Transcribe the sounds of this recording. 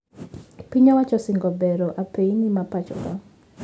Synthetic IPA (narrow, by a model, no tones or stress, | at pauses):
piɲawat͡ʃɔsɪŋɡɔbɛɾɔʔapeinimapat͡ʃɔ̰ka